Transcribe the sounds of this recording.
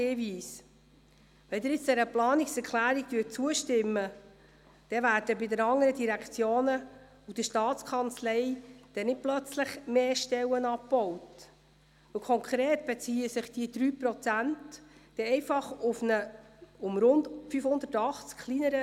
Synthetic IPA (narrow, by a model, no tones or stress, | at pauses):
eviːs | ʋɛld̪ɪɾjɪt͡sd̥̪ɛɾəplɑːnɪksɛɾkχlæːɾiktyət̚t͡suəʃtɪmːə | d̥ɛvæːɾd̥əbɪdəɾɑŋːəɾədiɾækt͡sjoːnə | ud̥əʃtɑːt͡skʰɑnt͡slɛɪd̥ɛnɪt̚plœt͡slɪχmeːʃtɛwənɑpbɔwt | ʋəlkʰɔŋkʰɾeːtb̥ɛt͡siːəsɪχd̥id̥̪ɾyːpɾɔt͡sæntd̥ɛɛɪfɑχʊfnəʊmɾʊndfyfhʊnd̪ətɑχt͡skχlinəɾə